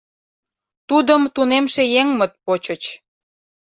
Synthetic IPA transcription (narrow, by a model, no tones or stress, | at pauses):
t̪ud̪əmt̪unemʃejeŋmə̆t̪̚pot͡ɕət͡ɕ